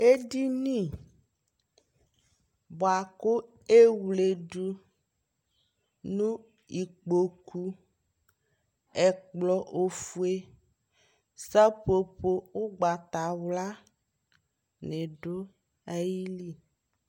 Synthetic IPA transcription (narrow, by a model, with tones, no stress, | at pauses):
e˦di˦nĩ˦˨ | bɔ˨a˨ko˦ | e˦wle˨ɖu˦ | nũ˦ | i˨k͡po˨ku˦ | ɛ˨k͡plɔ˦ʔo˨fu˦e˦ | sa˦po˨po˦wo˦ɡ͡ba˨t̪a˨wla˦ | nẽ˨ɖo˦ | a˦ji˦li˦